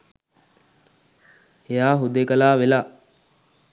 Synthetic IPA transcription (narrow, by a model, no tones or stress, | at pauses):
ejaːɦud̪ekəlaːʋelaː